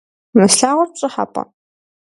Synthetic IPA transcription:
mɨsɬaːʁɔrɕʼɨħa̰pʼɐ̰

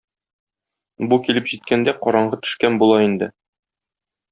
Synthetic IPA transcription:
bukilɘpʑit̪̚kænd̪æqɒɾɑɴɢɤt̪ɵ̥̆ʃkænbulˠɑind̪ɘ̰

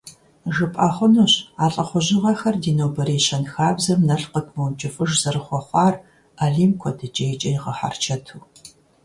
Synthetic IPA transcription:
ʒɨpʼaχʷʊnuːɕaːɬʼɐχʷʊʑɪʁɐxɐrdiːnoːwbɐɾeːʃɐnxaːbzɐmnɐɬqətʰmownt͡ʃʼɪfʼɨʒz̥ɐrɨχʷɔχʷɑːr | aɮiːmkʷʰɔdɨd͡ʒʼeːt͡ʃʼɐjɪʁɐħa̰rt͡ʃʰɐtʰuː

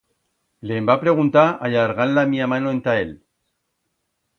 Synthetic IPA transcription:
leːmbapɾe̞ɣ̞unt̪aaʎaɾɣanlamiamanoent̪ael

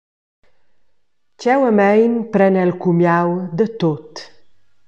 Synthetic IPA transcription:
t͡ʃɛwəmɛjnpɾɛnɛlkumjawd̪ət̪ot̪

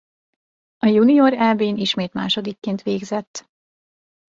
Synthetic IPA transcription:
ɒjunioɾɛlbeːniʃmeːt̪ma̰ːʃo̞d̪ikːeːnt̪ʋeːɡzɛt̪ː

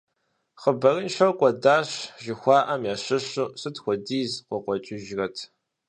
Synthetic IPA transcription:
χəbɐrɨnʃɐqʷʼɔdaːɕʒɪxʷɑːʔɐmjaːɕɪɕɨɕɨtxʷɔdiːzqʷɔqʷɔt͡ʃʼɪʒrɐtʰ

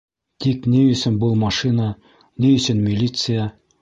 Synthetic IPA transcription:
t̪ikniɵ̆sɘnbɤlˠmɐʂinə | niɵ̆sɘnmʲilʲit̪sɨja

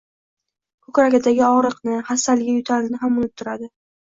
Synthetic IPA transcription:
kʰʊkʲɾakʲad̪aɡʲɪɒʁɾɨqnɪhasalɪɡʲajʊt̪ʰaɾlnɪɦamʊnɪp̚t̪ʰːʊɾad̪ɪ

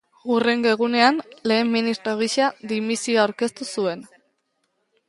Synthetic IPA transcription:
ure̞ŋɡoeɣ̞une̞anle̞ːmːinist̪ɾoɣ̞iʃaðimisioawɾke̞st̪usue̞n

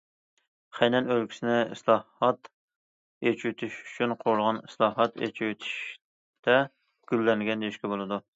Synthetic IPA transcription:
χɛjnɛnølkʲi̥sɪnɪɪ̰slˠɑɑt̪ | et͡ʃʰyt̪ʰyʃy̥t͡ʃʰynqʰoɾlˠʁɑnɪslˠɑːɦɑt̪ʰḛt͡ʃʰyt̪ʰi̥ʃ | t̪ɛ | ɡ̥ʲylːɛŋɡʲɛnd̪eiʃkʲɛbolˠɨd̪u

